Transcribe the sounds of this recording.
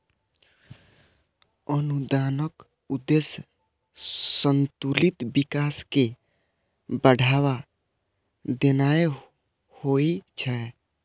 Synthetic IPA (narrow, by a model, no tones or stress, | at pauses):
ənud̪aːnək | ud̪es | sənt̪ulit̪bikaːske | bəɽʱawa | d̪enae | hoit͡ʃʰɛ